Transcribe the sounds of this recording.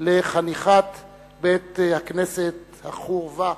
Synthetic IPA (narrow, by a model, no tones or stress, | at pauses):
leχaniχat̪ | bet̪hakneset̪ | haχuʁva